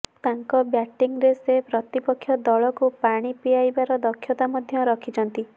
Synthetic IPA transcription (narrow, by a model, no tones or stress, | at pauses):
t̪aŋkɔbjaʈiŋɾesepɾɔt̪ipɔkʰːjɔd̪ɔɭɔkupaɽ̃ipiajbaɾɔd̪ɔkʰːjɔt̪amɔd̪ʱjɔɾɔkʰid͡ʒɔnt̪i